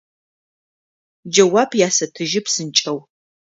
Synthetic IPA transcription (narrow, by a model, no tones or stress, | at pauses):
d͡ʒɐwaːbjaːsɐtʰɨʒɪpsɨnt͡ʃʼɐw